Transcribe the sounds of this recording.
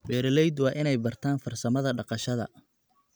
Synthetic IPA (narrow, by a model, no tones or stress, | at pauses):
bɛːɾɐlɛjd̪wɑːʔɪnɛjbɐrt̪ʰaːnfɐrsɐmɐðɐɖɑqɑʃɐðɐ̰